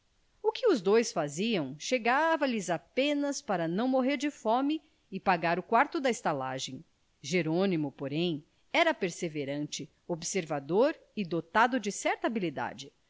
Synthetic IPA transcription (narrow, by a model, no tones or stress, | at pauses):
ʊkɪʊzd̪ojsfaziɐ̃w̃ʃeɡavɐlɪzapẽnɐspaɾɐnɐ̃w̃moɦeɾd͡ʒɪfɔ̃mɪ | ɪpaɡaɾʊkwaɾt̪ʊd̪ɐɪst̪ala̰ʒẽj̃ | ʒeɾõnimʊpoɾẽj̃ | ɛɾɐpeɾseveɾɐ̃nt͡ʃɪ | obseɾvad̪oɾ | ɪd̪ot̪ad̪ʊd͡ʒɪsɛɾt̪ɐabilid̪a̰d͡ʒɪ